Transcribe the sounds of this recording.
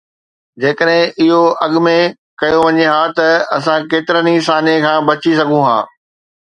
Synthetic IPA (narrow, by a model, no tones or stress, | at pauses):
d͡ʑeːkəɗɦɪ̃ʔɪɦoʔɐɠʊmẽ | kɐjoʋɐɲeɦaːt̪ɐɐsãkeːt̪ɪɾənisaːnekʰãːbɐt͡ɕisɐɡʱũɦã̰ː